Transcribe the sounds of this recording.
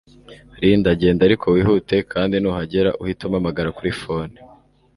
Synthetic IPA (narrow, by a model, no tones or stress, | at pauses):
ɾiːndaɟe̞ːndaɾikʰo̞wiːɦute̞kʰaːndinuːhaɟe̞ɾaʔuhitumamaɡaɾakuɾifo̞ni